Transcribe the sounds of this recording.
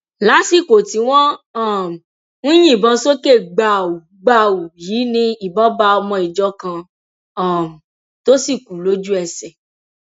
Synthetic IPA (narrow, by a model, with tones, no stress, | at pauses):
la˨˦si˦˨ko˨ti˨˦w̃ɔ̃˦ɔ˦˨m˨ | nũ˦j̃ĩ˦˨bɔ̃˧so˦ke˦˨ɡ͡ba˨u˨ | ɡ͡ba˧˨wu˨jiː˨˦nĩ˧i˨bɔ˨˦ba˧˦ɔ˧mɔ̃˧i˨d͡ʒɔ˦kã˧˦˨ | to˦si˦˨ku˨lo˨˦d͡ʒu˦ɛ˧˨sɛ˨